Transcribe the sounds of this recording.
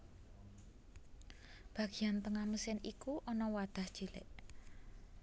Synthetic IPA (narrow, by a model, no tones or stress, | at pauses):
b̥ä̤ɡ̥i̤jant̪əŋahməsɪnikuʔɔnɔwad̪̥a̤hd͡ʒ̥ilɪ̰ʔ